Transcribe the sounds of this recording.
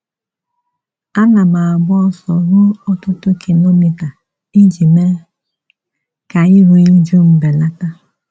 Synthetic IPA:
a˦na˨ma˨a˨bʊ˦ɔ˦sɔ̰˨ɾʊ˦ɔ˦tʊ˦tʊ˦kʰi˨lo˦mi˨ta˨ | i˦d͡ʒi˨me˦ | ka˨ɪ˦ɾu˨i˦d͡ʒu˦m̩˦be˨la˦ta˦

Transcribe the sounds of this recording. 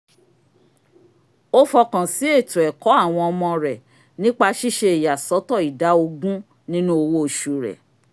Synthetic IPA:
o˦fɔ˧kã˨si˨˦e˦˨tũ˨ɛ˨kɔ˨˦a˦˨w̃ɔ̃˧ɔ˧mɔ̃˧ɾɛ˨ | nĩ˦k͡pa˧ʃi˦ʃe˧e˨ja˨sɔ˨˦tɔ˦˨i˨da˨˦o˧ɡũ˦ | nĩ˦nũ˦o˧wo˦o˧ʃu˨ɾɛ̰˨

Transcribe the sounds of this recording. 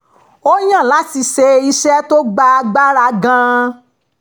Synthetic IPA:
o˦j̃ã˦˨la˨˦ti˧ʃe˧i˧ʃɛ˦to˦ɡ͡ba˧ɡ͡ba˦ɾa˧ɡã˧

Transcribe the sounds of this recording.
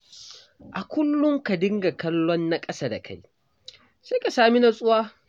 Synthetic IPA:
ʔa˨kʷʊ˦lːʊ˦ŋka˨dɪ˦ŋɡa˨kɐ˦lːɔ˦nːa˦kʼɐ˦saː˦da̰˨kʰa̰˦j | se˦ka˨saː˨mi˦na˨sʼʊ˦waː˦

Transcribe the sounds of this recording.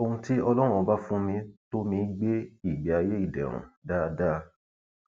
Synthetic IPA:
o˧hũ˧ti˦ɔ˧lɔ˦ɾ̃ũ˦˧ba˦fũ˦mĩ˧to˦mĩ˧˦ɡ͡be˦i˦˨ɡ͡bi˨˦a˧je˦i˦˨dɛ̰˨ɾ̃ṵ̃˨da˦da˦

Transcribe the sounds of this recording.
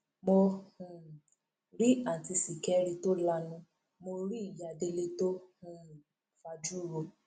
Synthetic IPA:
mo˧hũ˨ | ɾi˦a˨ti˧si˨kɛ˦ɾi˧to˦la˧nũ˧ | mo˧ɾi˦i˦˨ja˨de˧le˧to˦ũ˦˨ | fa˧d͡ʒu˦˨ɾo˧

